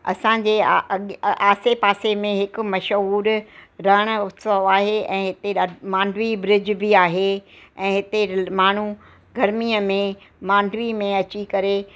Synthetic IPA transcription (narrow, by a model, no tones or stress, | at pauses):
ɐ̰sãɲ̆d͡ʑeːɠaːsepaːsemẽɦɪkʊ̆mɐʃɦuːɾɾɐɦəɽ̃ʊt̪səʋaːɦeɛ̃ːɦɪt̪eɗaːmãːɳɖʋibɾɪd͡ʑbɪaːɦe | ɛ̃ːɦɪt̪emaːɳ̤u | ɡʱɐɾmiːəmẽ | mãːɳɖʋimẽɐt͡ɕikɐɾe